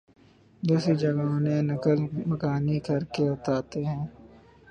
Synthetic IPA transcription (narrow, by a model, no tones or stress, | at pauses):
d̪uːsid͡ʒɐɡãːnẽnɐkəlmɐkaːnikɐɾkeʊt̪aːt̪eɦɛ̃ː